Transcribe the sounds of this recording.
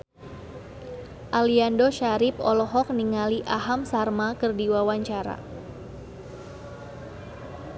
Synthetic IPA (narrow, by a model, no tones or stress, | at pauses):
ʔaliandɔʃaɾɪp̚ɔ̰lɔɦɔk̚niŋaliʔaɦamsarmakərdiwawaɲt͡ʃaɾa̰